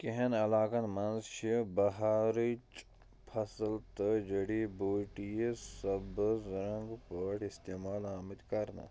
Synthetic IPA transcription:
keɦɐnɐlaːkɐnmɐnzʃʰibɐɦaːɾit͡ʃ | pʰɐsəlt̪əd͡ʒɐɽiboːʈijesɐbzɾɐ̃ŋɡpəʈɪst̪eːmaːlaːmit̪kɐɾna̰ː

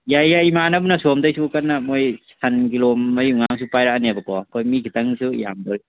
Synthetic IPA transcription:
jajaimanɐbunɐsomdɐjsukɐnːɐmojsɐnkiloːɐjuŋaŋs̬upajɾanabɐkɔkʰojmikʰitɐŋsuḭja̰mdoɾi

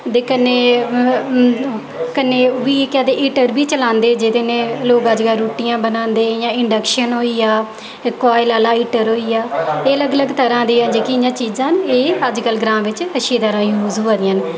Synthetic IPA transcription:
d̪eːkəneː | kənːeːʋiːekɛːd̪eːʔiːʈəɾbiːt͡ʃəlãːnd̪eːd͡ʒɪd̪eːnẽːloːɡəd͡ʒɡaːɾuːʈijãːbənãːnd̪eːjãːɪɳɖəkʃənɦoːiːaː | kwaːɪlaːlaːiːʈəɾɦoːiːjaːeːələɡələɡt̪əɾãːd̪iːaːnd͡ʒeːkijãːt͡ʃiːzãːneːəd͡ʒkəlɡɾãːmʋɪt͡ʃəʃeːd̪aɾãːjuːzuːãːd̪ɪãːn

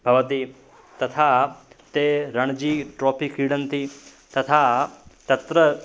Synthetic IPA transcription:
bʱɐʋt̪i | t̪ɐt̪ʰat̪eɾɐɳ̃d͡ʒiːʈɾɔːpʰikiːɽənt̪i | t̪ɐt̪ʰat̪ɐt̪ɾə

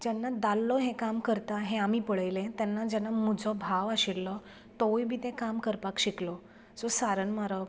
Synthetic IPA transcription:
d͡ʑɛnːad̪alːɔɦẽkamkəɾt̪aɦẽamiːpəɭəjlẽt̪ɛnːad͡ʑɛnːamud͡zʱɔbʱaʋaɕilːɔ | t̪ɔjbʱiːt̪ẽkamkəɾpakɕiklɔ | sɔsaɾəɳmaɾɔ

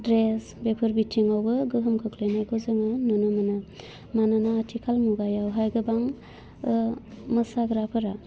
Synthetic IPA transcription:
dɾes | bepʰɯɾbitʰiŋawbɯɡɯɦɯmkʰɯkʰlenajɡozɯŋanonɯmɯnɯ | mananaːtʰikʰalmuɡajawɦajɡɯbaŋ | mɐsaɡɾapʰɯɾa

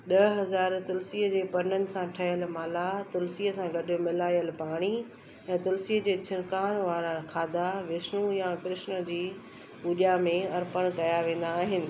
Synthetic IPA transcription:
ɗɐɦɐzaːɾt̪ʊlsiːəd͡ʑeːpɐnənɪ̆sãʈʰɐɦəlmaːlat̪ʊlsiːəsãɡɐɗɪmɪlaːijəlpaːɽ̃i | ɛ̃ːt̪ʊlsiːəd͡ʑeːt͡ɕʰɪnkaːñʋaːɾakʰaːd̪aʋɪsnujakɾɪʃnə̆d͡ʑiː | uːɗjamẽɐɾpəɽ̃kɐjaʋẽːn̆d̪aːɦɪnɪ̆

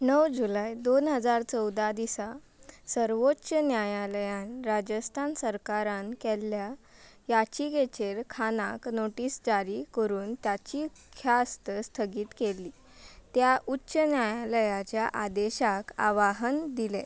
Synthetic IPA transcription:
nəwd͡ʑulajd̪onɦəd͡zaɾt͡səwd̪ad̪isa | səɾʋotːɕənjajaləjãnɾad͡ʑəst̪ʰansəɾkaɾankɛlːja | jat͡ɕiɡet͡ɕeɾkʰanaknoʈiːsd͡ʑaɾikəɾuːnt̪jat͡ɕi | kʰjast̪əst̪ʰəɡiːt̪kelːiː | t̪jaʔutːɕənjajaləjat͡ɕjaʔad̪eɕaka̰ʋaɦənd̪ilḛ

